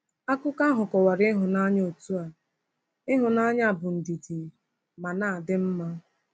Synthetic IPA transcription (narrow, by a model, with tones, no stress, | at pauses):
a˦kʊ˦ka˦ɦʊ˨kɔ˨wa˨ɾɪ˦ɪ˦ɦʊ˨na˦ɲ˦o˨tu˦a˨ | ɪ˦ɦʊ˨na˦ɲ˦a˦˨bʊ˨n̩˨di˨di˨ | ma˨naː˦˨a˨dɪ˦m̩˦ma˦